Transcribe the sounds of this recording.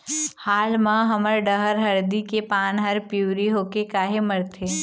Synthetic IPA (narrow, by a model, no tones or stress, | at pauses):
haːlmãɦɐməɾɖəɦəɾɦɐɾd̪ikepaːnɦəɾpjuːɾiɦoːkekaːɦeməɾt̪ʰeː